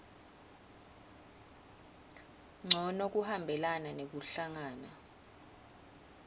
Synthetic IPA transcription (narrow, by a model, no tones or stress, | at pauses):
ŋ͡ǀʱɔnok̬ʼuhambʱɛlananek̬uɬaŋaːna